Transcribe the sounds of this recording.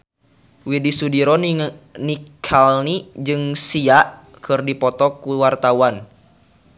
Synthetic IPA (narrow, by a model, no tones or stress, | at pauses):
widisudiɾɔnikʰalnid͡ʒɨŋsiaʔ | kɨrdipɔt̪ɔkuwart̪awan